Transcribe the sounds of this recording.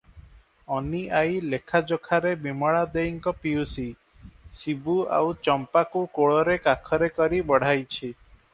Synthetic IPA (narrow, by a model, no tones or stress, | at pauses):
ɔniʔajlekʰad͡ʒokʰaɾebimɔɭad̪ejiŋkɔpiusi | sibua̰wt͡ʃɔmpakukoɭɔɾekakʰɔɾekɔɾibɔɽ̤ajt͡ʃʰi